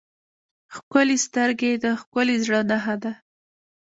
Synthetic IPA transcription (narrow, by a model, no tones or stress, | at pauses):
xkʊlest̪əɾɡed̪əxkʊlezɽənaɦad̪a